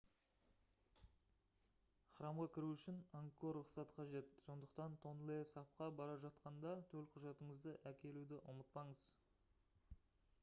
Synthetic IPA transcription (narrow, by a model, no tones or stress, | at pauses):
χəɾɑmʁɑkʲʰɪɾuʏʃɪnaŋkːo̞rʊqsɑt̪qʰɑʒe̞t̪̚so̞nd̪əqt̪ɑnt̪ʰo̞nlˠesɑp̚qɑbɑɾɑʒɑt̪qɑnd̪ɑt̪ʰɵlqʰʊʒɑt̪əɴəzd̪əʔækʲʰe̞lud̪ɪʔʊmət̪̚pɑɴəz̥